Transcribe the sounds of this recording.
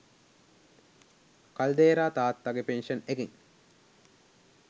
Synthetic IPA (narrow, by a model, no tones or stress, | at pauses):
kald̪eːɾaːt̪aːt̪ːaɡepenʃəneɡeŋ